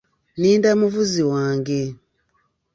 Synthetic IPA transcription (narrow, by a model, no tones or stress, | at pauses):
niːndamuvuziwaːŋɡe